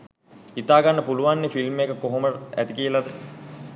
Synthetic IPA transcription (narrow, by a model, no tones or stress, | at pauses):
it̪aːɡanːəpuluʋanːefilmekəkoɦoməæ̰t̪ikiəlad̪ə